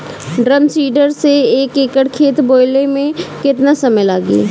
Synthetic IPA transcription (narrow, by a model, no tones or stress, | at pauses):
ɖɾəmsiːɖəɾseeːkeːkəɽkʰeːt̪boːɪlemẽkɪt̪nasɐməjlaːɡḭː